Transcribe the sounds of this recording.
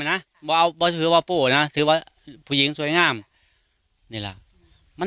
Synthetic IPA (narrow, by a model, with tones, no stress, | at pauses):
na˧˥˨ | bɔː˧˦ʔa˧˩wbɔː˧t̪ʰɯː˨˦waː˧poː˧˩na˧˥t̪ʰɯː˨˦waː˧˩ | pʰuː˧˩˨i˨˦ŋsu˧˦jŋaː˧˥˨m | niː˧˩la̰˨˩ʔ | ma˧˥